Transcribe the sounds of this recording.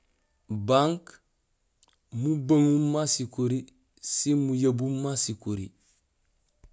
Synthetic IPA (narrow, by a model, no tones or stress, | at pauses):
baŋk | mubɐŋumːasikoɾi | simujabumːasikoɾḭ